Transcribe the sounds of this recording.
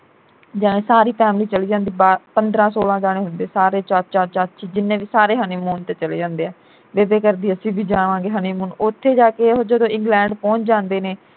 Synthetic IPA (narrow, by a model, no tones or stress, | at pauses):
d͡ʒaːɽẽːsaːɾiːpʰɛːmliːt͡ʃəliːd͡ʒãːnd̪iːbaːpənd̪ɾãːsoːlãːd͡ʒaːɽ̃eːɦʊnd̪eːsaːɾeːt͡ʃaːt͡ʃaːɾt͡ʃaːt͡ʃʰiːd͡ʒɪnːẽːʋiːsaːɾeːɦəniːmuːnt̪eːt͡ʃəlḛːd͡ʒãːnd̪eːɛː | ʋeːdeːkəɾd̪iːəsĩːbiːd͡ʒaːnʋãːɡeːɦəniːmuːnʊt̪ʰːeːd͡ʒaːkeːod͡ʒəd̪õːɪ̃ŋɡlɛ̃ːɳɖpɔ̃ːɲt͡ʃd͡ʒãːnd̪eːneː